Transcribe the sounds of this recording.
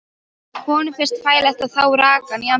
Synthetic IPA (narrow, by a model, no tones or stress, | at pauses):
hɔnfɪr̥st̪faːjlɛft̪aðθaːwɾaːkaniam